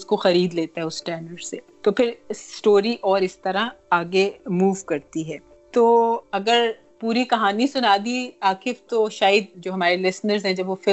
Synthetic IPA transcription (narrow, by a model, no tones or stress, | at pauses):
ʊskoxɐɾiːd̪leːt̪aɦɛʊsʈɛːnəɖseːt̪opʰɪɾsʈoːɾiʔɔːɾɪst̪ɐɾaaːɡemuːʋkɐɾt̪iɦɛː | t̪oːɐɡəɾ | puːɾikɐɦaːnisʊnaːd̪iaːkɪft̪oʃaːjəd̪d͡ʒoːɦɐmaːɾelɪsnəɾzɦɛ̃d͡ʒɐbʋofɪ